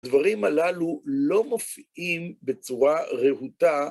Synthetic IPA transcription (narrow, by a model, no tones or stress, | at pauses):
dvaʁimalalulo̞mofiʔimbet͡suʁaʁehut̪a